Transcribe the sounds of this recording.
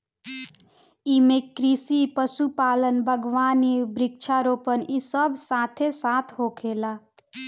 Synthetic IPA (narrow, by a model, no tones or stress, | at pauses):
iːmẽkɾiːsipəsupaːlənbʱəɡʋaːnibɾɪk̚t͡ʃʰaɾoːpənisəbsaːt̪ʰesaːt̪ʰɦoːkʰeːlaː